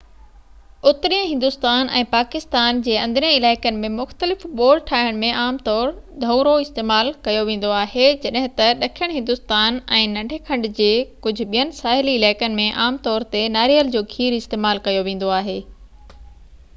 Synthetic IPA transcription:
ʊt̪ɾiə̃ɦɪ̃nd̪ʊst̪aːnɛ̰̃ːpaːkɪst̪aːnd͡ʑeːɐ̃nd̪ʱɾĩɪlaːɪkənɪ̆mẽmʊxt̪əlɪfɓoːlʈʰaːɦəɽ̃mẽʔaːmt̪ɔːɾd̪ʱɐːɾoɪst̪eːmaːlkɐjoʋẽːn̆d̪oaːɦed͡ʑɐɗɦɪ̃t̪ɐɗɐkʰijəɽ̃ɦɪ̃nd̪ʊst̪aːnɛ̃ːnɐ̃ɖʱekʰɐ̃ɳɖd͡ʑeːkʊd͡ʑʱʊ̆ɓijənɪ̆saːɦɪliɪlaːɪkənɪ̆mẽʔaːmt̪ɔːɾt̪enaːɾijəld͡ʑoːkʰiːɾɪst̪eːmaːlkɐjoʋẽːn̆d̪oaːɦeː

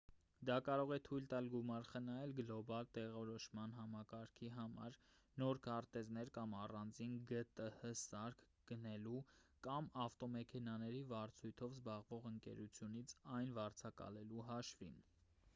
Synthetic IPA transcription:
d̪ɑkɑɾɔʁɛt̪ʰujlt̪ɑlɡumɑɾχənɑjɛlɡlɔbɑlt̪ɛʁɔɾɔʃmɑnɦɑmɑkɑɾkʰiɦɑmɑ̰ɾ | nɔɾkʰɑɾt̪ɛznɛɾkɑmɑrɑnd͡zinɡət̪əhəsɑɾkʰ | ɡ̥ənɛlukɑmɑft̪ɔmɛkʰɛnɑnɛɾivɑɾt͡sʰujt̪ʰɔvzbɑʁvɔʁəŋkɛ̰ɾut͡sʰjunit͡sʰɑjnvɑɾt͡sʰɑkɑ̰lɛluɦɑʃvḭn

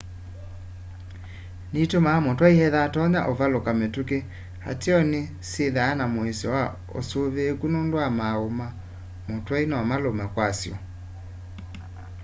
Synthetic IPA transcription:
nitomamotwaihɛðatɔɲaʔovalokametuke | ha̰teɔne | seðaːnamoesɔwa | o̰soβekunoːndoamaoma | motwainɔamalomɛkwasjɔ̰

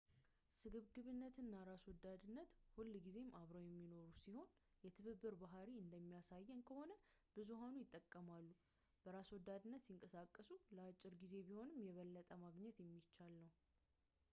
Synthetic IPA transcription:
sɨɡɨβɡɨβɨnːət̪ɨnːaɾaswɔd̪ːad̪ɨnːət̪hulːɡize̞mʔaβɾəwjɛmːino̞ɾusiho̞n | jɛt̪ʰɨβɨbːɨɾbaɦaɾiɨnd̪əmːijasajːɛnkʰəho̞nəb̥ɨzuɦanujɪt̪ʼːəkʼːəmalːu | b̥əɾaswɔd̪ːad̪ɨnːət̪siŋkʼəsakʼːəsuləat͡ʃʼːɪɾɡize̞biho̞nɨmːjɛβəlːət̪ʼəmaɡɲɛt̪jɛmːit͡ʃːalːəw

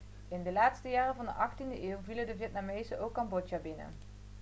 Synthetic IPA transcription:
ɪndəlaːtstəjaːrəvɑndə̰ʔɑxtindəʔeːwvilədəvjɛt̚namejzəʔowkːɑmbɔt͡ʃabɪnə̰

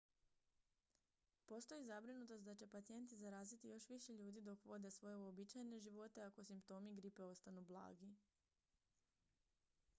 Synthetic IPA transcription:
po̞st̪o̞izabɾinut̪o̞st̪d̪at͡ɕe̞pat̪sije̞nt̪izaɾaːzit̪ijo̞ʃʋiʃe̞ʎuːd̪id̪o̞kʋo̞d̪e̞sʋo̞je̞uobit͡ʃajene̞ʒiʋo̞t̪e̞ako̞simpt̪o̞ːmiɡɾipe̞o̞st̪anublˠa̰ːɡi

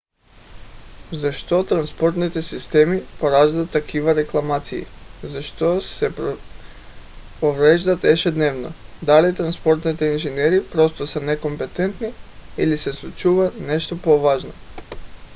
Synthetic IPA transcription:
zaʃt̪ot̪ɾanspoɾt̪nit̪ɛsist̪ɛmipoɾaʒd̪at̪ːakʰivaɾɛklˠamat̪siḭzaʃt̪osɛp | povɾɛʒd̪at̪ɛʃɛd̪nɛvnɔ̰d̪alit̪ɾanspɔɾt̪nit̪ɛinʒinɛɾipɾɔst̪ɔsanɛkompɛt̪ɛnt̪niḭlisɛslˠut͡ʃuvat̪nɛʃt̪opovaʒno

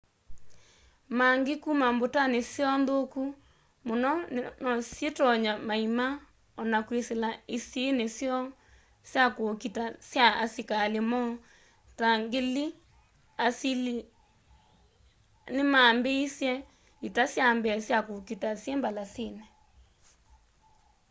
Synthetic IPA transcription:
maŋɡekumambotanesjɔndoku | monɔnɔsjetɔɲamaima | ɔnakweselaisjenesjɔ | sjakokitasjaasikalemɔ | taŋɡeli | asil | nemambeisjɛ | itasjambɛsjakokitasjɛmbalasenɛ

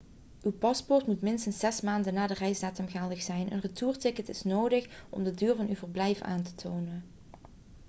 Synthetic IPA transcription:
ywpɑspɔɹtmutmɪnstənsɛsmaːndənaːdərɛjsdaːtəmɣaːlˠdəxsɛjnʔə̰nrətuːɹtɪkətɪsnoːdəχʔɔ̰mdədyːɹvɑnywvəɹblɛjfa̰ːntə̥tʰoːwnən

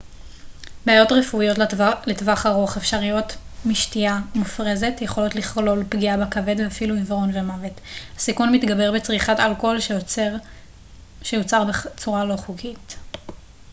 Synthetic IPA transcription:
beajo̞tʁefuijo̞tletvaχaʁoaχefʃaʁijo̞t | miʃtiamufʁe̞ze̞tjeχolo̞tliχlo̞lpɡiabekave̞dveafiluivʁo̞nve̞mave̞thasikunmitɡabe̞ʁbet͡sʁiχatalko̞lʃ | ʃejot͡saʁbet͡suʁalo̞χukit

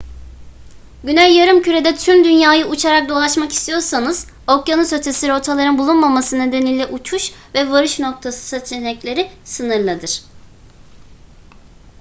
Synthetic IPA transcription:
ɟynælʲjaɾɯmcʰyɾe̞d̪ɛt̪ʰymd̪ynjaːjɯut͡ʃʰaɾak̚d̪o̞lˠaʃmaki̥st̪ʰijo̞ɾsanɯz̥ | okjanɯsø̞t̪ʰe̞siɾo̞t̪ʰalˠaɾɯnbulˠunmamasɯned̪e̞niːlʲɛʔut͡ʃʰuʃvɛvaɾɯʃno̞k̚t̪ʰasɯ̥sat͡ʃʰenɛclʲe̞ɾisɯnɯɾlˠad̪ɯɾ̥

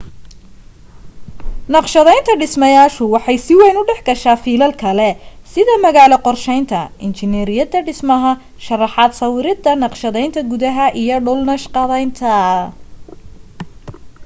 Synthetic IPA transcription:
nɑqʃɐðɛjnt̪ʰɐɖɪsmɐjaːʃʊwɑħɑjsɪwɛjnʊɖɛħɡɐʃaːfiːlɐlkʰɐlɛsɪðɐmɐɣaːlɐqɔrʃɛjnt̪ʰɐɪnt͡ʃɪnɛɾɪjɐd̪ɐɖɪsmɐɦɐ | ʃɐrɑħɑːd̪sɐwɪɾɪd̪ɐnɑqʃɐðɛjnt̪ʰɐɡʊðɐɦɐʔijɔɖʊlnɐʃqɑðɛjnt̪ʰɐ

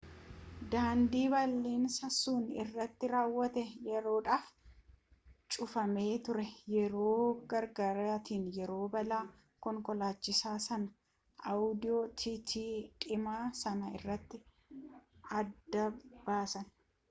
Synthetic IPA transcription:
d̪aːnd̪iːbɐlːiːnsɐsuːnɪ̰rːɐt̪ːɪɾaːwːɐt̪ɛjɛɾo̞ːᶑaːf | t͡ʃʼʊfɐme̞ːt̪ʊɾɛjɛɾo̞ːɡɐɾɡaːɾaːt̪iːnjɛɾo̞ːbɐlaː | kɔŋkɔlaːt͡ʃːɪsaːsɐnɐ | ʔɐwʊd̪ɪjoːt̪ʰɪt̪ʰiːᶑʼɪmaːsɐnɐɪrːɐt̪ːɪ | ɐd̪ːɐbaːsɐn

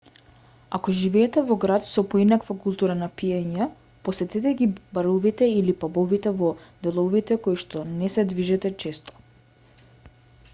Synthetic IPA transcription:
akɔʒivɛːt̪ɛvɔɡɾat̪sɔpɔinakvakulˠt̪uɾanapiɛɲɛ | posɛt̪ɛt̪ɛɡibaɾuvit̪ɛilipabɔvit̪ɛvɔd̪ɛlˠɔvit̪ɛkoiʃt̪ɔnɛsɛd̪viʒɛt̪ɛt͡ʃɛst̪ɔ̥

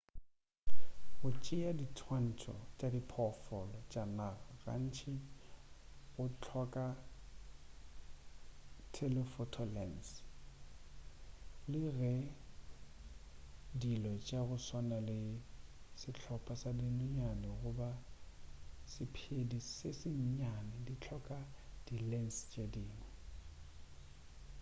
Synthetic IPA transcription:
ɣʊt͡ʃʼɪaditʰwan̩tʰʼɔ̰t͡ʃʼadipʰɔfɔlɔt͡ʃʼanaɣaɣa̰n̩t͡ʃʰɪ | ɣʊt͡ɬʰɔkʼa | tʰɛlɛfɔtʰɔlɛns | lɪɣɛ | dilɔt͡ʃʼaɣʊswanalɪ | sɪt͡ɬʰɔpʰʼasadɪnʊɲanɪɣʊba | sɪpʰedisɪsɪɲ̩ɲanɪdit͡ɬʰɔkʼad̥ilɛnst͡ʃʼediːnɛ

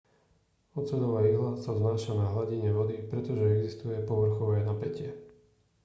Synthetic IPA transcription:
ɔt͡sɛnɔʋaːiɦlasaznaːʃanaɦlaɟiɲɛʋɔd̪ipɾɛt̪ɔʒɛɛɡzist̪ujɛpɔʋr̩xɔʋɛːnapɛcɪɛ

